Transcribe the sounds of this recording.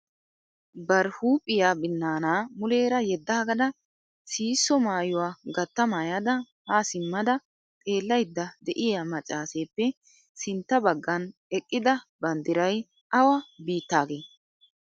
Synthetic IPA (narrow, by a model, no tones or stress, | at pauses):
bɐɾhuːpʼːɪjaːbɪnːaːnaːmʊle̞ːɾɐjɛd̪ːaːɡɐd̪ɐ | siːsːɔmaːjʊwaːɡɐt̪ːɐmaːjad̪ɐ | haːsɪmːɐd̪ɐ | t̪ʼe̞ːlːɐjd̪ːɐd̪ɛʔɪjamɐt͡ʃʼːaːse̞ːpːɛ | sɪnt̪ːɐbɐɡːɐnɛkʼːɪd̪ɐbɐnd̪ɪɾɐj | ɐwɐbiːt̪ːaːɡeː